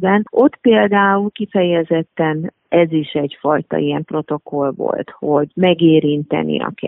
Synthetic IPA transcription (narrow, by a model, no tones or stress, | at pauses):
bɛno̞t̪peːld̪aːulkifɛjɛzɛt̪ːɛn | ɛziʃɛɟfɒjt̪ɒ̰iɛmpro̞t̪o̞ko̞lvo̰lt̪ho̞ɟmɛɡeːɾint̪ɛ̰nḭɒ̰kɛ̰